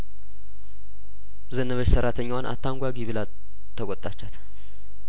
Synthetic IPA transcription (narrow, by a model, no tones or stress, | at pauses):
zənːəβət͡ʃsəɾat̪ʰəɲːawanʔa̰t̪ʰːaŋɡʷaɡiβɨla | t̪ʰːəkʼɔt̪ʼat͡ʃːat̪